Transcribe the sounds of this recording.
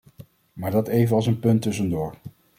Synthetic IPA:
maːɹdɑtejvənɑlˠsənpɵntɵs̬əndʊːɹ

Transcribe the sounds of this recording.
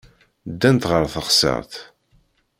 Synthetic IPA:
d̪ːænt̪ʁəɾˤθəχsə̰ʁθ

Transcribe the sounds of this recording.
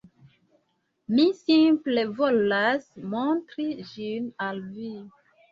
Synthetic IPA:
misĩmplevolasmɔ̃tɾiʒinalvi

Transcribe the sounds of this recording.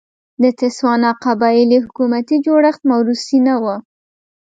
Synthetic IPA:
d̪ət̪ɪswɑnɑqabɑɪlihʊkumat̪id͡ʒoɽaxt̪̚mawɾusinawa

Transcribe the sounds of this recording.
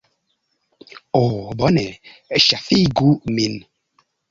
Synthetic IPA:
obɔnɛʃafiɡumin

